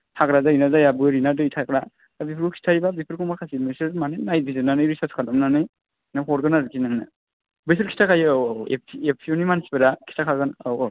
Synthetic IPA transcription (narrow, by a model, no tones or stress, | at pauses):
tʰakɾazainazajabɯɾinadɯjtʰakɾa | abipʰɾkukʰi̥tʰajbabipʰɯɾkʰumakʰasimesɯɾmanenajbizɯnanɯjɾisaskʰadamnanɯj | naɔɾɡɯnaɾkʰinaŋnɯ | bɯs̬ɯɾkʰi̥tʰakʰajḛp̚ʰiep̚tʰiɔnimanspeɾakʰi̥tʰakʰaɡɯnaw